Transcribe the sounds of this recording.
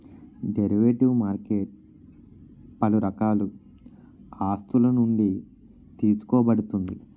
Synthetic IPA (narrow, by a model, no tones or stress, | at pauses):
ɖeɾiʋeːʈiʋmaːɾkeːʈ̚ | pɐluɾɐkaːlu | aːst̪ulɐnuɳɖi | t̪iːsu̥kɔːbɐɽut̪und̪i